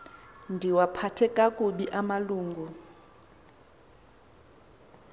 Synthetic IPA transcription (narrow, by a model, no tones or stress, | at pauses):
ndʱiwapʰatʰɛkʼakʼuɓiʔamaluːŋɡʱu